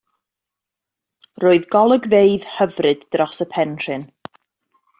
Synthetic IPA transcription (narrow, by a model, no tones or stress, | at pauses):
roːɨðɡɔlˠəɡveɨð̥həvrɨdːrɔsəpʰɛnrɨn